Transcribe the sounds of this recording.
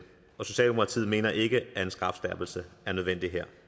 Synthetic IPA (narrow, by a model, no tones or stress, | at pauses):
ɒ̽so̝ɕɛ̰ːld̥eokʰʁɑ̈t͡sʰḭð̩̰ˠme̝̰ːnɐʔe̝ɡ̥əæe̝nsɡ̥ʁɑ̈fsd̥æɐb̥l̩səæɐnøð̞ˠʋen̰d̥iɦeɐ̰